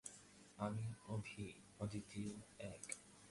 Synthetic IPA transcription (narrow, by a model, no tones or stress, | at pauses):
amiobʱi | od̪it̪iɛk